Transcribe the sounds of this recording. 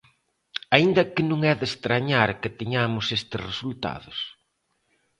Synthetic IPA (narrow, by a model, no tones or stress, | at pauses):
aind̪ɐkɪnũŋɛðest̪ɾaɲaɾkɪt̪iɲamʊsest̪ɪsresult̪a̰ðʊs